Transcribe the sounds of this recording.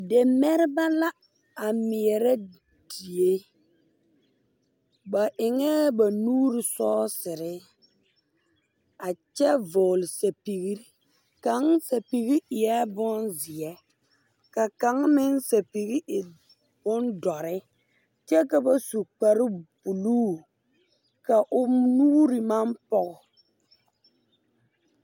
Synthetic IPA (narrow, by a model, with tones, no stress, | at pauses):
de˨mɛ˦ɾɪ˦ba˦la˦ | a˨mɪ˨ɛ˨ɾɛ˦ | d̥i˨e˦ | ba˨ʔɪ˨ŋɛ˦ba˨nuː˦ɾɪ˨sɔː˦sɪ˨ɾɪ˦ | a˨t͡ʃɛ˦vʊː˨lɪ˨sa˨pi˨ɣi˦ɾi˦ | ka˨˦ŋsa˨pi˨ɣi˦ʔɪ˨jɛ˦bʊ˦nzɪ˨ɛ˦ | ka˨ka˨˦ŋmɪ˦nsa˨pi˨ɣi˦ɪ˨ | b̥ʊ˦ndɔ˨ɾɪ˦ | t͡ʃɛ˦ka˨ba˨su˨k͡pa˨ɾɪ˦bu˨luː˦ | ka˨ʔʊ˨nuː˦ɾi˨ma˦mpɔ˦ɣɔ˨